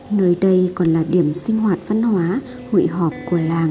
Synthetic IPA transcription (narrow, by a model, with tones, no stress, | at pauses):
nəː˨˦jɗə˧jkɔ˨˩nlaː˨˩ɗi˧˩əmsï˧ŋ̟hwaː˨˩t̚va˧nhwaː˨˦ | hṵ˧˨jɦɔ˨˩p̚ku˧˩əlaː˨˩ŋ